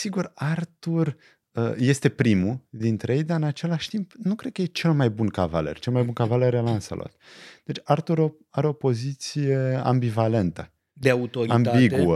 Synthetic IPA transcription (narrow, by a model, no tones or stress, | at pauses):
siɡurart̪ur | əje̞st̪e̞pɾimud̪int̪ɾejejd̪aɨnat͡ʃe̞laʃt̪impnukɾed̪̚kəjet͡ʃe̞lmajbunkava̰le̞̰rt͡ʃe̞lmajbunkavaleɾelansa̰lʔo̰t̪d̪̥e̞t͡ʃʲart̪uɾo | aɾeo̞po̞zit̪sije̞a̰mbivale̞nt̪ə | d̪eaut̪oɾiambaiɡuə